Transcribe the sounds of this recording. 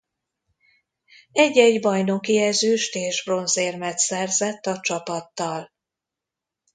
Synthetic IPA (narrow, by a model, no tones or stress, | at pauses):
ɛɟːɛɟbɒjno̞kiɛzøːʃt̪eːʒbro̞nzeːrmɛt̪sɛrzɛt̪ːɒt͡ʃɒpɒt̪ːɒl